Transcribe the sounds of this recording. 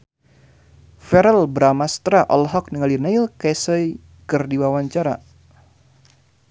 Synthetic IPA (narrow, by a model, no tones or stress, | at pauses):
fɛɾɛlbɾamast̪ɾaʔɔ̰lɦɔk̚niŋalinailkɛsəj | kɨrdiwawaɲt͡ʃaɾa̰